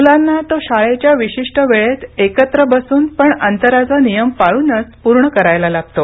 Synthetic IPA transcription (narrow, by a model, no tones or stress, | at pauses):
ulanːat̪oɕaɭet͡ɕjaʋiɕiʂʈəʋeɭet̪ekət̪ɾəbəsuːnpəɳənt̪əɾad͡zanijəmpaɭuːnət͡spuɾɳəkəɾajlalaɡt̪o